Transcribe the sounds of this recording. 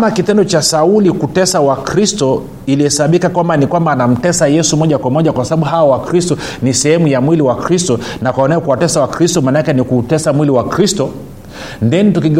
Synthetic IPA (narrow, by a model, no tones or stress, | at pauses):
makitɛndɔt͡ʃasaulikutɛsawakɾistɔ | ilihɛsaɓikakwambanikwambaːnam̩tɛsajɛsumɔʄakwamɔʄakwasaɓaɓuɦawɔwakɾistɔ | nisɛhɛmujamwiliwakɾistɔnakwaɔnɛɔkuwatɛsawakɾistɔmaːnaakɛnikutɛsamwiliwakɾistɔ | ndɛnitukiɡ